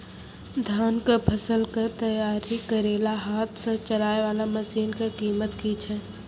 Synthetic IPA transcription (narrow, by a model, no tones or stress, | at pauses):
d̪ʱaːnkəpʰəsəlkət̪ɐjaːɾikəɾeːlaɦaːt̪ʰset͡ʃɐlaːeʋaːlamɐsiːnkekiːmət̪kit͡ʃʰɛ